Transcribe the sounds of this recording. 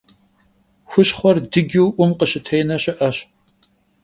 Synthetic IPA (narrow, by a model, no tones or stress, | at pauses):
xʷʊɕχʷɔrdɨɡʲɪwʔʷʊmqəɕɪtʰejnɐɕɪʔɐɕ